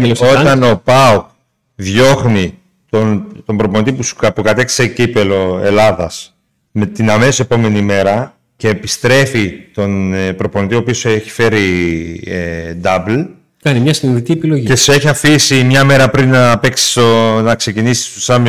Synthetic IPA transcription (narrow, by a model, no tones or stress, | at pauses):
loso̞t̪ɐno̞pɐuk | ðʝo̞xni | t̪ont̪o̞mbɾo̞ponit̪ipusu̥ɐpukɐt̪kssecipe̞lo̞e̞lɐðɐs | me̞t̪inɐme̞se̞po̞me̞nime̞ɾɐ | ce̞ːpist̪ɾe̞fit̪o̞npɾo̞po̞nit̪ioːpioseçi̥fe̞ɾi | ed̪ɐbl | kɐnimɲɐsinðit̪iepilo̞ʝie̞se̞çiɐfisimɲɐme̞ɾɐpɾinːɐpe̞ksi̥sonɐkse̞cinisi̥st̪osɐm